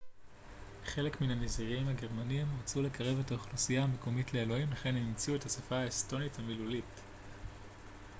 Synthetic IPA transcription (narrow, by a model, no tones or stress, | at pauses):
χe̞le̞kminamiziʁiimhaɡe̞ʁmaniimʁat͡sule̞kɐʁe̞ve̞taoχlusijaame̞ko̞mitle̞ːlo̞imlaχe̞nemimt͡siuethasafaːesto̞nithamilulit